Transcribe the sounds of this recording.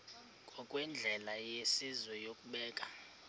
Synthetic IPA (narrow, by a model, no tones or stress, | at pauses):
kʼɔkʼwɛnd͡ɮʱɛlajesizwɛjokʼuɓɛːkʼḁ